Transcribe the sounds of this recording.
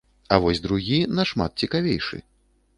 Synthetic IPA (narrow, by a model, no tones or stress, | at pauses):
ɐvɔsʲd̪ɾuɣʲinɐʂma̰t̪̚t͡sʲikavʲejʂɨ̰